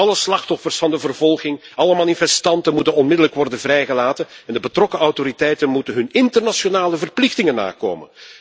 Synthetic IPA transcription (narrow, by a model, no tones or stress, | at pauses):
ɑləslɑxtɔfərsfɑndəvərvɔlˠɣɪŋɑləmaːnifɛstɑntənmutənɔnmɪdələkʋɔrdənvrɛjɣəlaːtənɛndəbətrɔkəɑwtoɾitɛjtənmutənɦɵnɪntərnasjonaːləvərplɪxtɪŋənːa̰ːko̰ːmə̰n